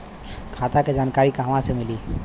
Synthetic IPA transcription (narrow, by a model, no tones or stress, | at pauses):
kʰaːt̪aked͡ʒaːnkaːɾikaɦəmãsemɪli